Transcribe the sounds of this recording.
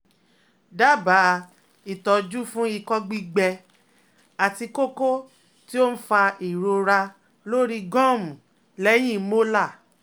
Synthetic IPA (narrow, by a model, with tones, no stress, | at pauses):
da˦ba˨˦ | i˨tɔ˨d͡ʒu˦fũ˦i˧kɔ˦ɡ͡bi˦ɡ͡bɛ˧ | a˨ti˧ko˦ko˦ | ti˦o˦n̩˦fa˧i˨ɾo˧ɾa˧ | lo˦ɾi˧ɡɔ̃˦˨m̃˨ | lɛ˦j̃ĩ˦˨˦mo˦la˦˨